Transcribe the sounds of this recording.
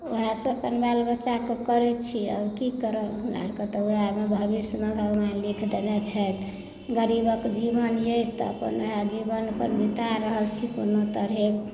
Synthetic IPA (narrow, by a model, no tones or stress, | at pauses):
oɦãsəpənbalbət͡ʃakekəɾɛt͡ʃʰiɔ̰ʊɾkikəɾəɦuna̰ɾkət̪ɔoamebʱəbismebʱəɡmanlikʰd̪enɛt͡ʃʰɛt̪ | ɡəɾibəkd͡ʒibənjet͡ʃʰt̪ɔ̰ə̰pə̰noɦad͡ʒibənəpənbit̪aɾəɦəlt͡ʃʰikonot̪əɾɦek